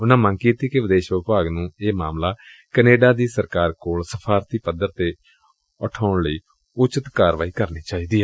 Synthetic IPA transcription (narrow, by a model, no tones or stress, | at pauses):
ʊnãːmə̃ŋɡkiːt̪iːkeʋɪd̪eːʃʋəpaːɡnũːeːmaːmlaː | kəneːɖaːd̪iːsəɾkaːɾkoːlsəpʰaːɾt̪iːpəd̪əɾt̪eː | əʈʰaːʊɳləiː | ʊt͡ʃət̪kaːɾʋaːiːkəɾniːt͡ʃaːiːd̪iːɦɛː